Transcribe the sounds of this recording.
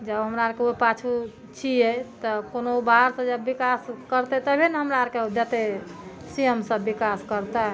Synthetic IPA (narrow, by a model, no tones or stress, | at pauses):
d͡ʒəbɦəmɾaɾkeopat͡ʃʰu | t͡ʃʰiɛt̪ɔkonobaɦəɾsə̃d͡ʒəbːikaskəɾt̪ɛt̪əbʱinɦəmɾaɾked͡ʒət̪e | sijəmsə̃bːikaskəɾt̪aɦɛ